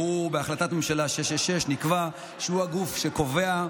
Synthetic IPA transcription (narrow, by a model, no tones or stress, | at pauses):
ubeaχlat̪at̪memʃalaʃeʃeʃeʃnikva | ʃeuhaɡufʃeko̞ve̞a